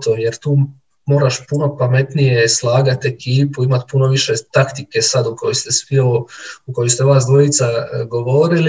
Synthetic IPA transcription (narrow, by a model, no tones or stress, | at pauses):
t̪oje̞ɾt̪uː | mo̞ːɾaʃpuno̞pame̞t̪nije̞slˠaːɡat̪e̞kiːpuimat̪puno̞ʋiʃe̞t̪akt̪ike̞sad̪ukojist̪e̞sʋioukojost̪eʋaːsd̪ʋojit̪saɡo̞ʋo̞ːɾili